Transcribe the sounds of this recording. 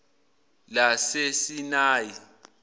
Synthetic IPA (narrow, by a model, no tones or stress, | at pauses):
lasesinaːji